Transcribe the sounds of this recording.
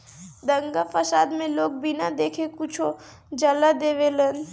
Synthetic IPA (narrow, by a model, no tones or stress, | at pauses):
d̪əŋɡafʰəsaːd̪mẽloːɡ̚bɪnad̪eːkʰekʊt͡ʃʰo | d͡ʒalad̪eːʋelən